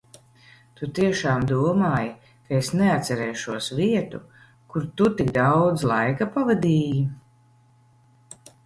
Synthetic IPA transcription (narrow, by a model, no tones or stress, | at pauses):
t̪ut̪iɛʃaːmd̪uɔmaːja | kaesneat̪sɛɾɛːʃuɔsviɛt̪u | kuɾt̪ut̪iɡd̪awd̪zlˠajkapavad̪iːji